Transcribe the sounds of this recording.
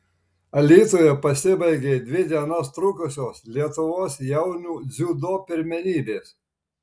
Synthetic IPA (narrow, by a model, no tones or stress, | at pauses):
ɐlʲiːt̪oːjɛpɐsʲɪbɐɪɡʲeːd̪ʲʋʲɪd̪ʲiɛnɐst̪ɾʊkʊsʲoːslʲiɛt̪ʊʋoːsjɛʊnʲuːd̪zʲuːd̪oːpʲɪɾʲmʲɛnʲiːbʲeːs